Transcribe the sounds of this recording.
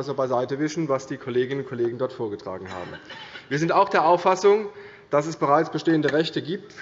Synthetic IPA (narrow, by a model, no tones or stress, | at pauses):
zobaɪzaɪtəvɪsn̩vasd̥iːkʰoleːɡɪnənʊntkʰoleːɡŋ̩dɔɐtfoːɐɡətʁ̥a̰ːɡŋ̩ha̰ːbm̩viːɐzɪntaʊxd̥eːɐʔaʊfasʊŋ | d̥asɛsb̥əʁaɪt͡sb̥əʃteːəndəʁɛçtəɡiːp̚t